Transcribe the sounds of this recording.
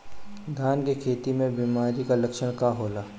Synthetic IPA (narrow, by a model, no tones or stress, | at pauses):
ɡʱaːnkekʰeːt̪imẽbimaːɾikalɐkʃəɽ̃kaɦoːlaː